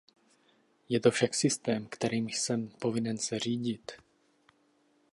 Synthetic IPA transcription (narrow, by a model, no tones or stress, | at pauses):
jɛt̪o̞fʃaksɪst̪ɛːmkt̪ɛɾiːmsɛmpo̞vɪnɛnsɛr̝iːɟɪt̪